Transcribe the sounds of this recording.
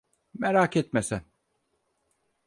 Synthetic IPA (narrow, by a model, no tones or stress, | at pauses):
meɾaːkɛt̪mesæn